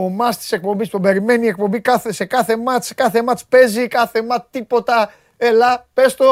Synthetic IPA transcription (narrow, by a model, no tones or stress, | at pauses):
omɐst̪i̥se̞k̚po̞mbispube̞ɾime̞niek̚pombikɐθese̞kɐθemɐt̪skɐθe̞mɐt̪spe̞zikɐθe̞mɐt̪ipo̞t̪ɐ | elɐpest̪o